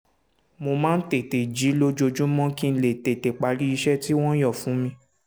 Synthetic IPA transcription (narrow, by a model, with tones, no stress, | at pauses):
mo˧mãː˦n̩˦te˨te˨d͡ʒi˨˦lo˦d͡ʒo˧d͡ʒũ˦mɔ̃˦kĩ˦˧n̩˨le˨te˨te˨k͡pa˨˦ɾi˦i˧ʃɛ˦ti˦w̃ɔ̃˦jɔ˦˨fũ˨˦mĩ˧